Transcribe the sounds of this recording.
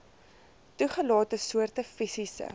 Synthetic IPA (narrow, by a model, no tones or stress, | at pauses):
tuχəlɑːtəsuərtəfisisə̰